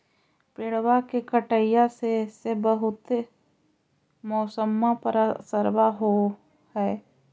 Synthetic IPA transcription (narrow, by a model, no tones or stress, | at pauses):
peɽwakekəʈəjjasesebəɦʊt̪ | mɔːsəmːapəɾasəɾwaɦo | hɛː